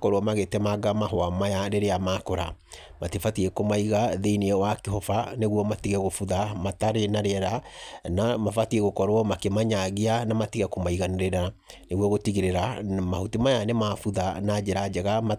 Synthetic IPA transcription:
kɔɾoɔmaɣetɛmaɡamaɦɔamajaɾeɾeamaːkɔɾamatefatiɛkomaiɣaðeiniɛwakeɦɔfaneɣwɔmatiɣɛɣofuðamataɾenaɾeɛɾanamafatiɛɣokɔɾwɔmakemaɲaɣianamatiɣɛkomaiɣaneɾeɾa | neɣwɔɣotiɣeɾeɾama̰hutemajanemafuðanad͡ʒeɾad͡ʒɛɣama

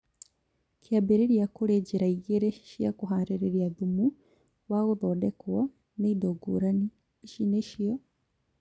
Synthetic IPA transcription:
kjabeɾeɾiakoɾeɟeɾaiɣeɾeʃjakoɦaːnɾeɾeɾiaðumu | waɣoðɔdɛkwɔ | neidoɡo̰ːɾani | ʃineʃiɔ

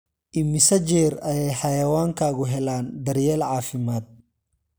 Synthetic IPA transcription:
ʔɪmːɪsɐd͡ʒɛːrɐjɛjħɑjɐwaːŋkʰaːɣʊɦɛlaːnd̪ɐɾjɛːlʕaːfɪmaːd̪̚

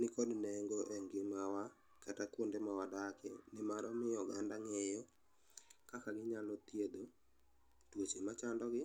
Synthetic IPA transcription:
nɪkodnɛŋɡoʔɛŋɡɪmawa | katakwondemawadakḛnɪmaɾɔmɪjɔɡandaŋejɔ | kakaɡɪɲalɔt̪jed̪o | twot͡ʃemat͡ʃandɔɡɪ

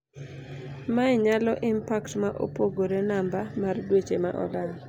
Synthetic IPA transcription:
maɪɲalɔʔɪmpaktmaʔo̰poɡoɾenambamardwet͡ʃema̰ʔɔ̰dalɔ

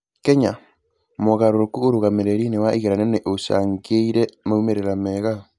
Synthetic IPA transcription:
kɛɲa | moɣaɾoɾokuoɾoɣameɾeɾinewaʔiɣeɾanɛneʔoʃa̰ŋɡeiɾɛmaumeɾeɾamɛːɣa

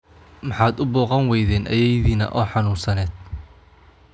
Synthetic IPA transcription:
mɑħɑːd̪ʊbɔːqɑŋwɛjðɛːnʔɐ̰jɛjðiːnɐ̰ʔɔːħɑnuːnsɐnɛːd̪̚

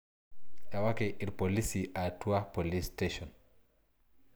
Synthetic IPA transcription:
jawakɛʔiɾpɔlisiʔatuapɔlisteʃɔn

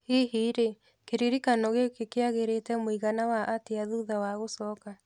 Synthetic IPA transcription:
heɦiɾe | keɾiɾikanɔɣekekeaɣeɾetɛmoiɣanawaʔateaðuðawaɣosɔːka

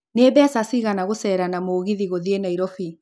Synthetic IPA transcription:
nebɛasasiɣanaɣosɛːɾanamoːɣiðiɣoðienaiɾɔfi

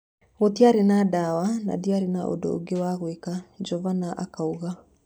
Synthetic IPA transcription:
ɣotiaɾenadawana̰diaɾenaʔo̰do̰o̰ɡewaɣwekad͡ʒɔvanaʔa̰kauɣa

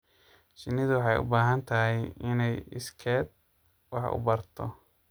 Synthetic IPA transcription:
t͡ʃɪnːɪðʊwɑħɑjʊ̰baːɦɐnt̪ʰɐɦɛjɪnɛjɪskʰɛːd̪̚ | wɑħʊ̰bɐrt̪ʰɔ

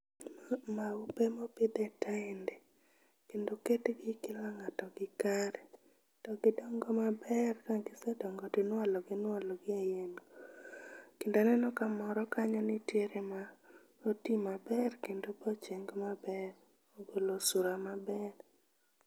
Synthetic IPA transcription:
maʊpɛmopɪd̪ɛtaɪndɛ | kendoketɡɪkɪlaŋatɔɡɪkaɾɛ | tɔɡɪdɔŋɡɔmabɛrkaɡɪsɛdɔŋɡotɪnwalɔɡɪnwalɔɡɪajenɡo | kɪndonɛnɔkamɔɾɔkaɲɔnɪtjeɾema | otimabɛrkendobɔt͡ʃeŋɡmabɛr | oɡolosuɾamabɛr

